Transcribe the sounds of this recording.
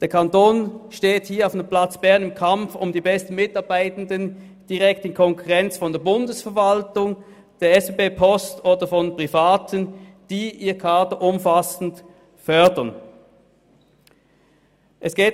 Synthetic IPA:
d̥eːɐkʰantoːnʃteːthiːɐaʊfnəmpl̥at͡sb̥ɛɐnɪmkʰamfʊ̰mdiːbɛstn̩mɪtɑɐbaɪtn̩dən | d̥iʁɛktɪnkʰɔŋkʰuʁɛnt͡sfɔndeːɐbʊndəsfɛɐvaltʊŋ | d̥eːɐɛsb̥eːbeːpʰɔstoːdɐfɔnpʁ̥ifaːtʰənd̥iːʔiːɐkʰaːtəʔʊmfasn̩t | fœɐdɐn | ʔɛsɡ̥eː

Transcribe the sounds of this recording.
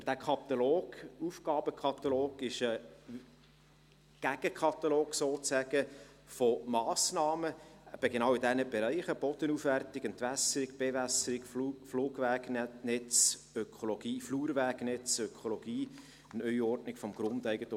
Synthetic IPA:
bəd̥̪ækʰɑt̪ɑloːɡ̥ufɡ̥ɑːb̥əkʰχɑt̪ɑloːɡ̥ɪʃə | ɡ̥æɡ̥əkʰɑt̪ɑloːɡ̥soːt͡sæɡ̥ə | fomɑːsnɑːməb̥ɛɡenɑːwɪd̪ænəb̥eɾɛɪχəb̥ɔd̥̪ənufʋærtɪɡənt̪ʋæsəɾɪɡb̥evæsəɾɪɡfluːɡʋæːɡnɛt͡s | økʰoloɡ̥iːfluːɾʋæːɡnɛt͡søkʰolɔɡ̥iː | ənœʏɔrdnɪkfɔmɡ̥ɾʊnd̪æɪɡət̪

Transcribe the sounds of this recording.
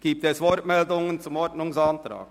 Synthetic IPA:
ɡ̥iːp̚t̪ɛsʋɔɾtmɛldʊŋənt͡sʊmɔɾtnʊŋsɑːntɾɑ̰ːk

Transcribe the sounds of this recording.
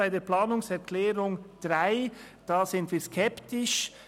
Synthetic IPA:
aɪdeːplɑːnʊŋsɛɾkʰlɛːɾʊŋd̥ʁaɪ | d̥aːzɪntviːɾskʰɛptɪʃ

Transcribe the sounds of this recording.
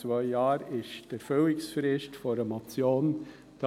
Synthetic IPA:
vœʏjɑːɾɪʃd̥eɾfølɪksfɾɪstfɔɾəmɑt͡sjoːn | d̥

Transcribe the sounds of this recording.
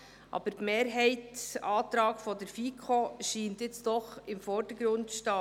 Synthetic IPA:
ʔɑ̰b̥əɾtmeːɾɦɛɪtɑːt̪ɾɑːɡ̥fɔdɛɾfiːkʰoʃiːntjɪt͡sd̥ɔχɪmfɔɾd̥əɡɾʊntʃtɑː

